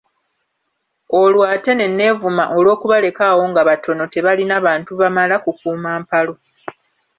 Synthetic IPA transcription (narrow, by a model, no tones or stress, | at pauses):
o̞lwaːte̞ne̞nːe̞ːvumaʔo̞lwo̞ːkuβale̞kawo̞ŋɡaβatʰo̞no̞te̞βalinaβaːntuβamalakukuːmaːmpalo̞